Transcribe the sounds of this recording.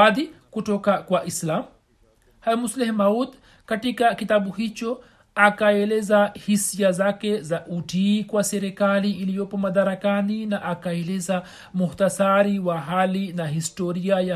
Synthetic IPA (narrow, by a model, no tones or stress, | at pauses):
aðikutɔkakwaʔislamu | hamuslɛhmaud̪ | katikakitabuhit͡ʃɔ | akaɛlɛzahisiazakɛzaʔutikwasɛɾɛkaliːlijɔpɔmad̪aɾakaninaʔakaɛlɛza | muhutasaɾiwaɦalinaɦistɔɾiaja